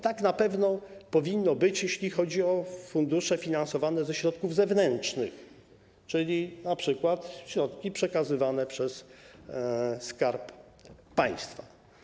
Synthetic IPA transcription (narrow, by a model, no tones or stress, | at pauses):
t̪aknapɛvnɔpɔvʲinːɔbɘt͡ɕjɛɕlʲixɔd͡ʑiɔfund̪uʂɛfʲinansɔvanɛzɛɕɾɔt̪kuvzɛvnɛnt͡ʂnɘ̰x | t͡ʂɘlʲinapʂɘkwat̪ɕɾɔt̪kʲipʂɛkazɘvanɛpʂɛs | skaɾpː | aj̃st̪fa